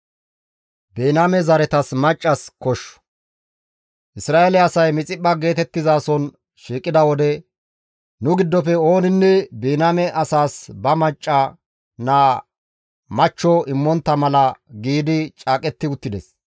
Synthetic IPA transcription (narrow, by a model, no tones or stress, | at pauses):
beːnamɛzɐɾɛt̪ɐsmɐt͡ʃʼːɐskɔʃːɔ̥ | ʔɪsɾaːʔelɛɐsɐjmɪt͡sʼɪɓːɐɡe̞ːt̪ɛt̪ːɪzaːsɔn | ʃiːkʼːɪd̪ɐwɔd̪ɛ | nʊɡɪd̪ːɔfɛo̞ːnɪnːɛbeːnaːmɛʔɐsaːsbɐmɐt͡ʃʼːɐ | naː | mɐt͡ʃːɔɪmːɔnt̪ːɐmɐlɐɡiːd̪ɪt͡ʃʼaːkʼɛt̪ːɪʊt̪ːɪd̪ɛs